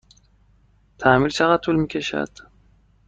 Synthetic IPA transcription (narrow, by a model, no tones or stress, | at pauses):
t̪ʰæmilt͡ʃʰæɣæt̪ʰːulmiːkcʰeʃæ̰d̪̥